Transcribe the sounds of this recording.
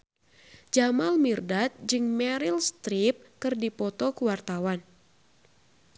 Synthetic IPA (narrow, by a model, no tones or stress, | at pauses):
d͡ʒamalmirdat̪̚d͡ʒɨŋmɛɾilst̪ɾip̚kɨrdipɔt̪ɔkuwart̪awan